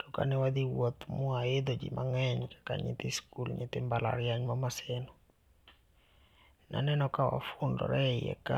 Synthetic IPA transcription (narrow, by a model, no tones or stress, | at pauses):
d̥ɔka̰nɪwad̪iwot̪mʊaɪd̪od͡ʒḭmaŋɛɲkḁka̰ɲɪ̰t̪ɪskulɲɪ̰t̪ɪmbala̰ɾjaɲmamasɛnɔ | na̰nɛnɔkawa̰fʊndɔ̰ɾɛjɛ̰ka